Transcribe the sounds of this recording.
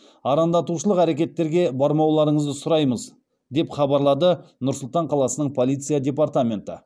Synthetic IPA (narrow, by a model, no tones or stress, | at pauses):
ɑɾɑnd̪ɑt̪uʃəlˠəqæɾe̞kʲe̞t̪ːe̞ɾɡʲe̞bɑɾmɑwlˠɑɾəɴəzd̪əsʊɾɑjməz | d̪e̞pχɑbɑɾlˠɑd̪ənʊɾsʊlˠt̪ɑɴqʰɑlˠɑsənəɴpʰolˠijt̪sɨjadʲe̞part̪amʲe̞nt̪ə̰